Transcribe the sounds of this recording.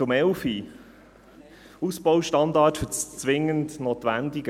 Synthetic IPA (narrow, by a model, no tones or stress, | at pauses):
ʊmɛʊfi | uspɔʊʃtɑndɑːtfʏt͡sʋɪŋəntnoːtʋændiɡ